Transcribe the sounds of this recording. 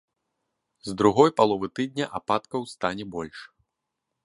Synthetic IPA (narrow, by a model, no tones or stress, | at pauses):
zd̪ɾuɣɔjpalˠɔvɨt̪ɨd̪̚ʲnʲɐʔapat̪kɐwst̪anʲɛbɔlʲʂ